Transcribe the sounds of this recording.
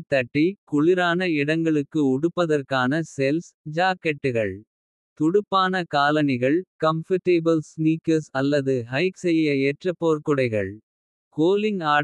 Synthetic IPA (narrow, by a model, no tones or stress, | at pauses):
t̪ːɐʈːikʊɭɪɾaːnɐɪɽɐŋɡɐɭɯkːɯʊɽɯpːɐðɐrkaːnɐsɛlsd͡ʒaːkːɛʈːɯɣɐɭ | t̪ʊɽʊpːaːnɐkaːlɐnɪɣɐɭkɐmfɐʈːeːbɐlsniːkɐsɐlːɐðɯɦɐɪksɛjːɐɛʈrɐpːoːɾkʊɽɐɪɣɐ̰ɭ | koːlɪŋaː